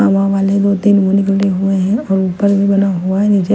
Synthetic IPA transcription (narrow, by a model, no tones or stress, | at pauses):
aʋãʋaːled̪oːt̪iːnmonɪklʈeɦueɦɛ̃ɔːɾupəɾbʱibɐnaɦuaɦɛd͡ʒid͡ʒe